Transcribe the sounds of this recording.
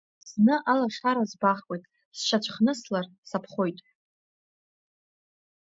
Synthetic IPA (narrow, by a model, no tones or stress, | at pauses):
z̥nɨʔalaʂaɾazbaχwʼejtʼ | sʃat͡ʃʷʰχnɨslar | sapʰχo̞jtʼ